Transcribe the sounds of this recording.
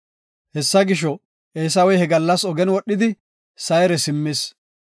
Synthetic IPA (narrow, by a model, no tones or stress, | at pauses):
hɛsːɐɡɪʃ̬ɔ | eːs̬ɐwɔjhɛɡɐlːɐsɔɡɛnwɔɗːɪd̪ɪ | sɐjɾɛsɪmːes